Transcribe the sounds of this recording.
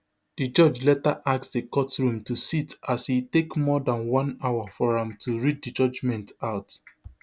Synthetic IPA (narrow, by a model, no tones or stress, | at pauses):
d̥id͡ʒɔd͡ʒlɛtaʔaksdəkɔtɹũmtusitashitekmɔdãnwɔ̃naʊafɔɹãmtʰuɹiddid͡ʒɔd͡ʒmɛ̃ntaʊt